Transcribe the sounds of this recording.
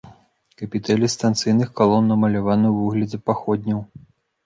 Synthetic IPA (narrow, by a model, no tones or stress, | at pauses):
kɐpʲit̪ɛlʲist̪ant̪sɨjnɨxkalˠɔnːɐmɐlʲavanɨvɨɣlʲɐd̪zɐpaxɔd̪ʲnʲɐw